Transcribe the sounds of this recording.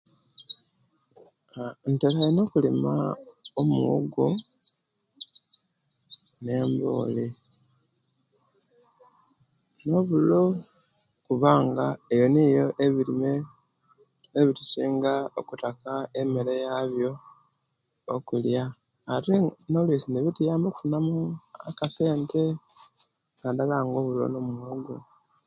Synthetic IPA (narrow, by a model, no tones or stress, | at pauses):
ntelajeno̞kulimaomuoɡo | ne̞ːmbo̰ːli | no̞βulo | kuβaːŋɡaejo̞nijo̞ʔeβiime | eβitusiːŋɡaokutakaemelejaβjo̞ | kuljaː | ɾinolwisiniβitijaːmoku̥funamuakase̞ːnte | nadalaːŋɡo̞βulo̰no̞muɡu